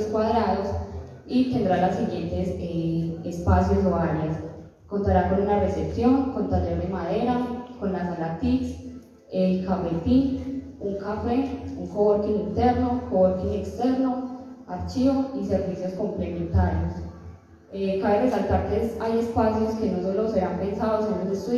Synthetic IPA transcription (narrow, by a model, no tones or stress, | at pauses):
skwaðɾaðo̞s | it̪e̞nd̪ɾalasːiɣje̞nt̪e̞seespasjosoβaɾjas | ko̞nt̪aɾako̞nunare̞sepsjo̞ŋkont̪aɾeɾd̪emaðe̞ɾako̞nlasalat̪iks | elkafet̪in | uŋkafe̞uŋkowoɾkinint̪e̞ɾno̞kowoɾkinekst̪e̞ɾno̞aɾt͡ʃiβoise̞ɾbisjo̞sko̞mple̞mẽ̞nt̪aɾjos | ekaβeresalt̪aɾt̪esaje̞spasjo̞ske̞nosoloseɾampe̞nsaðosenud̪est̪i